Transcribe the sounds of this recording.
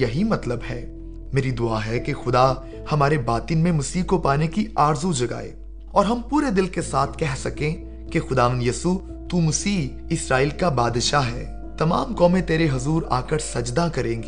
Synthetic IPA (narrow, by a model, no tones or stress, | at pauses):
jɐɦimɐt̪ləbɦɛː | meːɾid̪ʊaɦɛkexʊd̪a | hɐmaːɾebaːt̪inmẽmɐsiːkopaːnekiaːɾzud͡ʒɐɡa̰ːḛː | ɔːɾɦɐmpuːɾed̪ɪlkesaːt̪ʰkɛɦsɐkẽ | kexʊd̪aːʋə̃nd̪jiːsu | t̪umɐsiː | ɪsɾaːiːlkabaːd̪ʃaɦɛː | t̪ɐma̰ːmkɔːmẽt̪eːɾeɦɐzuːɾa̰ːkəɾsɐd͡ʒd̪akɐɾẽːɡeː